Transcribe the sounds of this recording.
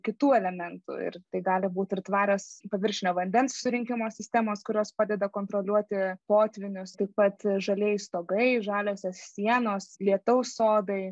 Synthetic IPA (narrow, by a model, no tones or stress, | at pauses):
kʲɪt̪uːɛlʲɛmʲɛnt̪ʊ̰ɪ̰ɾt̪ɐɪɡɑːlʲɪbuːt̪ʲɪrt̪ʋɑːɾʲospɐʋʲɪɾʲʃʲɪnʲoːʋɐnʲd̪ʲɛnssʊɾʲɪŋʲkʲɪmoːsʲɪsʲt̪ʲɛmoːskʊɾʲoːspɑːd̪ʲɛd̪ɐkoːnt̪ɾoːlʲuɔt̪ʲɪpoːt̪ʲʋʲɪnʲʊst̪ɐɪppɐt̪ʒɐlʲiɛjst̪oːɡɐɪʒɑːlʲoːsʲoːssʲiɛnoːslʲiɛt̪ɐʊssoːd̪ɐɪ